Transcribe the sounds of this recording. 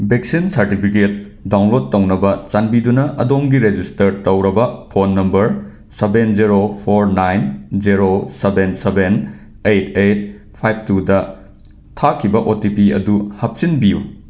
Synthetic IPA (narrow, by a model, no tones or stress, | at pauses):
beksinsɐɾtipʰiket̚ | dawnlod̚tːɐwnɐbɐt͡ʃanbidunɐʔɐdomɡiɾed͡ʒistɐɾtɐwɾɐbɐpʰonːɐmbɐɾ | sebend͡ʒiɾopʰoɾnajnd͡ʒiɾosebenseben | ejtʰejt̚ | pʰajb̚tudɐ | tʰakʰibɐʔotipiɐ̰duhɐp̚sinbiju